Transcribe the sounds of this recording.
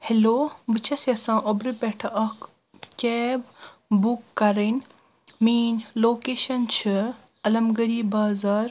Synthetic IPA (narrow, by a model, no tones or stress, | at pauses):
heloːbɨt͡ʃʰɐsɐsãːʔobɾɨpeʈʰɐʔɐk | kebbukːɐɾɐn | miːnloːkeːʃɐnt͡ʃʰɨ | ɐlɐmɡɐɾiːbaːzaːɾ